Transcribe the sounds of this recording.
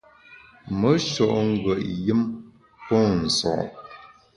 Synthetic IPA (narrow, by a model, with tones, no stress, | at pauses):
mə˨˦ʃɔ˨ʔŋ̩˦ɡwə˨ʔjɨ˦m | pɔ˦n̩˨sɔ̰˨ʔ